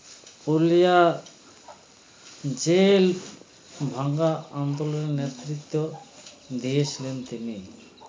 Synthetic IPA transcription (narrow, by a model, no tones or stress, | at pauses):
oɾlija | d͡ʑel | bʱaŋɡaand̪olonenet̪ɾit̪ːo | d̪ijet͡ɕʰilent̪ini